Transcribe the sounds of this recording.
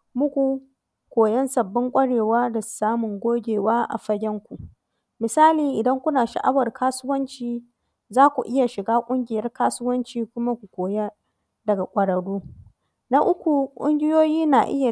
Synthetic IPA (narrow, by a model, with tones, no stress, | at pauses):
mʊ˦kʷu˨ | kʷoː˨jɐ˦nsɐ˨bːɪ˦ŋkʷʼɐ˦ɽeː˨waː˦da˨saː˦mʊ˨ŋɡʷoː˦ɡʲeː˨waː˦ʔa̰˨ɸɐ˦ɡʲɛ˦ŋkʷu˨ʔ | mɪ˨saː˦liː˨ʔɪ˨dɐ˦ŋkʷʊ˦naː˨ʃa̰˨ʔa˦wɐ˨rkaː˦sʊ˦wɐ˦nt͡ʃiː˨ | zaː˦kʷu˨ʔɪ˦ja˨ʃɪ˨ɡaː˦kʷʼʊ˦ŋɡʲɪ˨jɐ˦rkaː˦sʊ˦wɐ˦nt͡ʃiː˨kʷʊ˦ma˦kʷu˨kʷoː˨ja˦ | dɐ˨ɡa˨kʷʼɐ˨ɽɐ˨ɽuː˦ | na˦ʔʊ˦kʷu˨kʷʼʊ̰˦ŋɡʲɪ˦joː˦jiː˦na˨ʔɪ̰˦ja˨